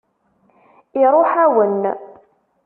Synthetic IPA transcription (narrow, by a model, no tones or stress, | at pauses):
iɾˤoħæwən